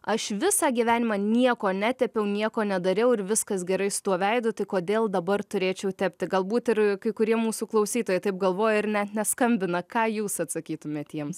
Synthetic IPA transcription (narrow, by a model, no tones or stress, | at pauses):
ɐʃʋʲɪsɑːɡʲiʋʲæːnʲɪmɑːnʲiɛkoːnʲæt̪ʲɛpʲɛʊnʲiɛkoːnʲɛd̪ɐɾʲɛʊɪɾʋʲɪskɐsɡʲɛɾɐɪsʊ̥t̪uɔʋʲɛɪd̪ʊt̪ɐɪkoːd̪ʲeːlˠd̪ɐbɐrt̪ʊɾʲeːt͡ʃʲɛʊt̪ʲæːpʲt̪ʲɪɡɐlˠbuːt̪ɪrkɐɪkʊɾʲiɛmuːsuːklˠɐʊsʲiːt̪oːjɛɪt̪ɐɪp̚ɡɐlˠʋoːjɛɪɾnʲɛt̪nʲɛskɐmʲbʲɪnɐkɑːjuːsɐt̪sɐkʲiːt̪ʊmʲeːt̪ʲiɛms